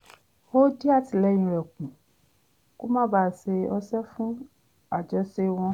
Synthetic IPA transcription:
o˦d͡ʒi˦a˦˨ti˨lɛ̃˨˦ĩ˧ɾɛ˨kũ˨ | ko˦mã˦ba˦˨se˧ɔ˧sɛ˦fũ˦ | a˨d͡ʒɔ˨˦se˧w̃ɔ̃˧

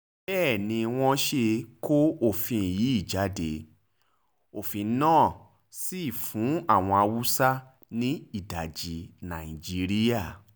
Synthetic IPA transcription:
bɛː˦˨nĩ˧w̃ɔ̃˧ʃe˧ko˦o˦˨fĩ˧˨ji˨˦i˦˨d͡ʒa˨˦de˧ | o˨fĩ˨˦nãː˦˨ | si˦i˦˨fũ˨˦a˦˨w̃ɔ̃˧a˧wu˦sa˦ | nĩ˦i˦˨da˨d͡ʒi˨nã˨ĩ˨d͡ʒi˨˦ɾi˦ja˦˨

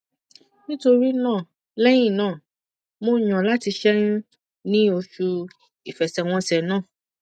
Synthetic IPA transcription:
nĩ˦to˧ɾi˦nãː˦˨ | lɛ˦j̃ĩ˦˨nãː˦˨ | mõ˦˨ɲ̃ã˨la˦ti˧ʃɛ˦n̩˦ | nĩ˦o˧ʃu˧ | i˨fɛ˨sɛ˨w̃ɔ̃˧sɛ˨nãː˦˨

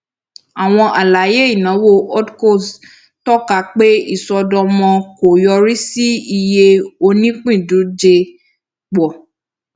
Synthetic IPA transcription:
a˨w̃ɔ̃˧ʔa˨la˨˦je˦i˦˨nã˨˦wo˦˨ɔ˦dko˦˨s | tɔ˦ka˦k͡pe˦i˦˨sɔ˧dɔ˧mɔ̃˧ko˨jɔ˧ɾi˦si˦i˧je˧o˧nĩ˦k͡pĩ˦˨dũ˨˦d͡ʒe˧ | ɡ͡bɔ˨

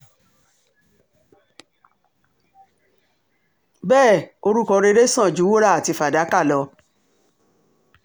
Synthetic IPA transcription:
bɛː˦˨o˧ɾu˦kɔ˧ɾe˧ɾe˦sã˦˨d͡ʒu˨˦wo˦ɾa˦˨a˨ti˧fa˨da˨˦ka˦˨lɔ˧

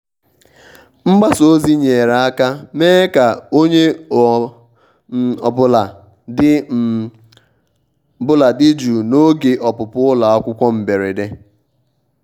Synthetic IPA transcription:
m̩˦ɡ͡ba˦so˦zi˦ɲe˨ɾa˨a˦ka˦meː˦ka˨o˦ɲe˦˨ | ɔ̰˨bʊ˦la˨ | dɪ˦˨ | bʊ˦la˨dɪ˦d͡ʒu˨no˦ɡe˨ʔɔ˨pʊ˨pʊ˦ʊ˦la˨ɔ˦kʷʊ˦kʷɔ˦m̩˨be˨ɾe˨de˦

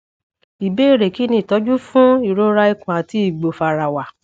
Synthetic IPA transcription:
i˨be˨˦i˦˨ɾe˨ki˨˦nĩ˧˨tɔ˨˦d͡ʒu˦fũ˦i˦˨ɾo˦ɾa˧i˧kũ˨a˨ti˨˦i˦˨ɡ͡bo˨fa˨ɾa˨wa˨

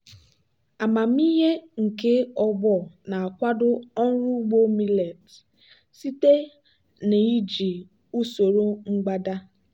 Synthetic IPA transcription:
a˨ma˨m̩˦i˦ɦe˦ŋ̩˨ke˦ɔ˦bɔ˦˨na˨a˨kʷa˦dʊ˦ɔ˦n̩˦ɾu˦ɡ͡bo˦mi˦le˨t | si˦te˦ | ne˨i˦d͡ʒi˨ | u˦so˨ɾo˦ŋ͡m̩˦ɡ͡ba˦da˦

